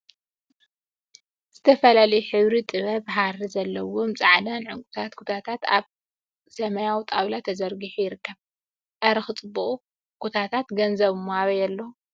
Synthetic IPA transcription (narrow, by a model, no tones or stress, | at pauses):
z̥ɨt̪ʰɐfɐlalɐjuħɨβɾit̪ʼɨβɐβɦarizɐlːɐwomt͡sʼaʕd̪anʕʊŋkʼut̪ʰat̪kʰut̪ʰat̪ʰat̪aβ | sɐmɐjawt̪ʼaβlat̪ʰɐzɐɾɡɨħujɪɾɨkːɐβ | ʔɐɾɐxɨt͡sʼɨbuχʼu | kʰut̪ʰat̪ʰat̪ɡɐnzɐβɨmːoaβɐjɐlːo